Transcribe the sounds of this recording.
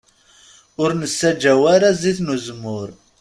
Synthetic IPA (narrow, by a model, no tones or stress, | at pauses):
ʊɾnəsːæd͡ʒːæwæɾaziθnuzmːʊɾ